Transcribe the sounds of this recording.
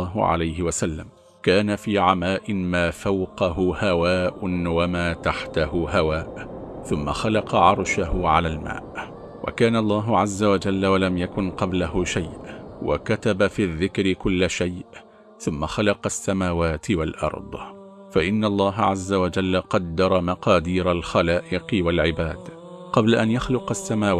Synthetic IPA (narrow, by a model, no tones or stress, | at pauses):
ɦʊ̰ʕa̰lajɦɪwasalːa̰m | kaːnafiːʕamaːʔɪnmaːfawqɑɦʊhawaːʔnwamaːt̪aħt̪ahʊɦawaːʔθʊmːa̰xɑlɑqɑʕɑɾˤʃaɦʊʕalaːlma̰ːʔ | wʔa̰kaːnalˤːɑːɦʊʕazːawad͡ʒalːawalamjakʊnqɑblaɦʊʃajʔwa̰kat̪abafiːðːɪkɾɪkʊlːʃajʔ | θʊmːaxɑlɑqɑsːamaːwaːt̪ɪwalʔɑ̰ɾˤd̪ˤ | faʔɪnːaʔlˤːɑːɦaʕazːawad͡ʒalːaqɑd̪ːɑɾˤɑmɑqɑːd̪iːɾalxalaːʔɪqɪwalʕɪbaːd̪ | qɑblaʔanjaxlʊqasːamaːw